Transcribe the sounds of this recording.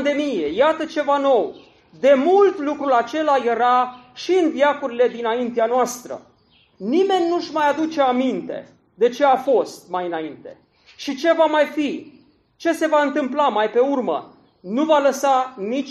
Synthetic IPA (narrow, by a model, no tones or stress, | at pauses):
d̪e̞mije̞jat̪ət͡ʃe̞vano̞w | d̪e̞mult̪lukɾulat͡ʃe̞laje̞ɾaʃiɨnd̪jakuɾile̞d̪inaint̪eanoast̪ɾə̰ | nime̞nʲːuʃmajad̪ut͡ʃe̞amint̪e̞̰ | d̪e̞t͡ʃe̞afo̞st̪̚majɨnaint̪e̞ | ʃit͡ʃe̞vamajfi | t͡ʃe̞se̞vaɨnt̪ɨmplamajpe̞urmə̰ | nuvaləsanit͡ʃ